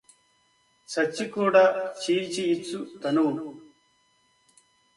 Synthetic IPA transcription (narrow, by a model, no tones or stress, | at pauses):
sɐt͡ʃːikuːɽaːt͡ʃiːɾt͡ʃiit͡sːut̪ɐnuw